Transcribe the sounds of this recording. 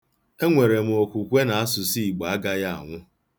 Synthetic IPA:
e˦ŋʷe˨ɾe˨m̩˨o˨kʷu˨kʷe˦na˨a˦sʊ˨si˦i˨ɡ͡ba˨a˦ɡa˦ja˦a̰˨ŋʷʊ˦

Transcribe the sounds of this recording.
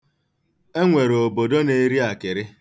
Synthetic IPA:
e˦ŋʷe˨ɾo˨bo˨do˦ne˦ɾi˦a˨kɪ˨ɾɪ˦

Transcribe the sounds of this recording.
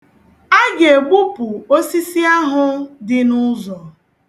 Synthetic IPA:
a˦ɡe˨ɡ͡bu˦pʊ˨o˦si˦si˦a˦ɦʊ˦dɪ˦nʊ˦zɔ˨

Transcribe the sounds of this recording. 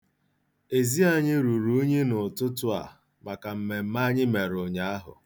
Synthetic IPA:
e˨zi˦a˦ɲɪ˦ɾu˨ɾu˨˦ɲe˦nʊ˨tʊ˦tʊ˦a̰˨ | ma˨ka˨m̩˨me˨m̩˦ma˦ɲɪ˦me˨ɾʊ˨ɲa˨a˦ɦʊ̰˨

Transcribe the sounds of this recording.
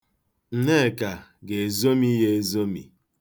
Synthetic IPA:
n̩˦ne˦˨ka˨ɡe˨e˨zo˦mi˦ɦe˦e˨zo˦mḭ˨

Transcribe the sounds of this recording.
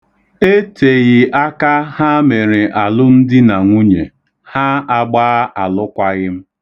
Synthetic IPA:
e˦tʰe˨ɣɪ˨ʔa˦ka˦ha˦me˨ɾɪ˨ʔa˨lʊ˦n̩˦dɪ˦na˨ŋʷu˦ɲe˨ | ha˦a˨ɡ͡baː˦ʔa˨lʊ˦kʷa˦ɣɪ˦m̩˦

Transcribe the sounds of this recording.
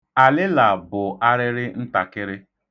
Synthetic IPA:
a˨lɪ˦la˨bʊ˨a˦ɾɪ˦ɾɪ˦n̩˦ta˨kɪ˦ɾɪ˦

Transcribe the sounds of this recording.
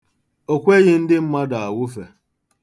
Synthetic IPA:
o˨kʷe˦ɣɪ˦n̩˦dɪ˦m̩˦ma˦da˨a˨wʊ˦fe˨

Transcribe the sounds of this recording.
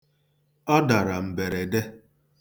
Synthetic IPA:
ɔ˦da˨ɾa˨m̩˨be˨ɾe˨de˦

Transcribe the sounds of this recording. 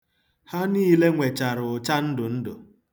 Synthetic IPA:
ha˦niː˦le˦ŋʷe˨t͡ʃa˨ɾʊ˨ʊ˨t͡ʃa˦n̩˦dʊ˨n̩˦dʊ̰˨

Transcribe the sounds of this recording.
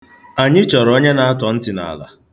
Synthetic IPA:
a˨ɲɪ˦t͡ʃɔ˨ɾo˦ɲe˦na˨a˦tɔ˨n̩˦tɪ˨na̰˨la̰˨

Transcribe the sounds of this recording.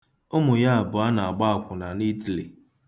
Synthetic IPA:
ʊ˦mʊ˨ja˦a˨bʊ˨a˦na˨a˨ɡ͡ba˦˨kʷʊ˨na˨ni˦ti˨li˨

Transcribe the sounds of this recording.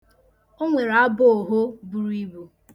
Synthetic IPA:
o˦ŋʷe˨ɾa˨˦bʊ˦˨ɦo˦bu˦ɾi˦bu˦

